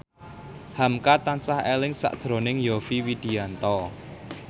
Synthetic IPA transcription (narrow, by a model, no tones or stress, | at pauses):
hamkat̪ansahelɪŋsa̰ʔd̥ʒ̥ɾo̤nɪŋjofiwid̪̥i̤ant̪ɔ